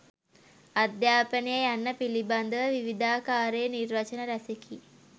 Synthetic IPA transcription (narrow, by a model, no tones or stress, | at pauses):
ad̪jaːpənijəjanːəpiliband̪əʋəʋiʋid̪aːkaːɾeənirʋat͡ʃənəɾæseki